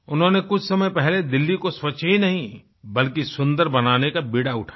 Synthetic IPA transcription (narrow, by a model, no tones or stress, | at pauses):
ʊnɦõːnekʊt͡ʃʰsɐməjpɛɦled̪ɪlːikoswɐt͡ʃɦinɐɦĩ | bɐlkisʊ̃nd̪əɾbɐnaːnekabiɽaʊʈʰḁ